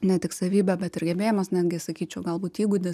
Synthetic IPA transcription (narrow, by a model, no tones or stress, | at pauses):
nʲɛt̪ʲɪksɐʋʲiːbʲɛbʲɛt̪ɪrɡʲɛbʲeːjɪmɐsnʲæːd̪ʲɡʲɪsɐkʲiːt͡ʃʲɛʊɡɐlˠbuːt̪iːɡʊd̪ʲɪs